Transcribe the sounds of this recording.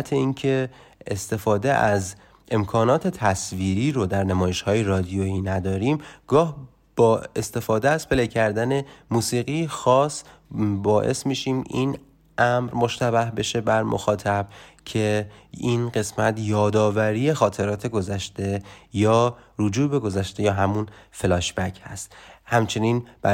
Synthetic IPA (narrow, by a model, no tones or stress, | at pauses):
t̪ʰeiːncʰe̞ː | st̪e̞fɒːd̪e̞ʔæz | ʔe̞mkʰɒːnɒːt̪ʰe̞t̪ʰæsviːɾiːɾod̪æɾnæmɒːje̞ʃhɒːjeɾɒːd̪ijoiːnæd̪ɒːɾiːmɡ̥ɒːh | b̥ɒːe̞st̪e̞fɒːd̪eæz̥pʰe̞lecʰæɾd̪æne̞muːsiːɣijexɒːs | bɒːʔe̞̰smiːʃiːmin | ʔæmɾmo̞ʃt̪æbæhbe̞ʃe̞bæɾmo̰xɒːt̪ʰæb̥cʰe̞inɢe̞smæt̪ʰjɒːd̪ɒːvæɾiːjexɒːt̪ʰe̞ɾɒːt̪ʰe̞ɡo̞zæʃt̪e̞jɒːɾud͡ʒuːbe̞ɡo̞zæʃt̪e̞jɒːɦæmunfelɒːʃbæcʰhæ̰st̪hæmt͡ʃʰe̞niːnb̥æ